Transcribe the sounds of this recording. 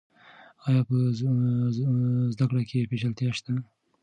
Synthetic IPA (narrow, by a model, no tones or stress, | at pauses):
ɑjɑpə | zd̪akɽakʰepeʃalt̪jɑʃt̪a